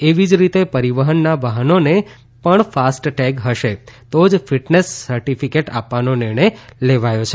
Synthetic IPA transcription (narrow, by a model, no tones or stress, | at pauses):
eʋid͡ʒɾit̪epəɾiʋəɦənːaʋəɦənone | pəɳfasʈʈɛɡɦəʃet̪od͡ʒfiʈnesːəɾʈifikeʈa̰pʋanonɪɾɳəjleʋajot͡ʃʰe